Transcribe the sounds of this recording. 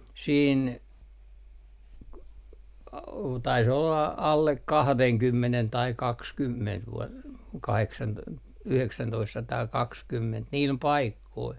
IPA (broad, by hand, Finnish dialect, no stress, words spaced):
siːn k tɑis olːɑ ɑlːek kɑhdeŋkymːenen tɑi kɑkskymːent ʋu kɑheksɑn yheksæntoistsɑtɑːkɑkskymːent niːl pɑikːoil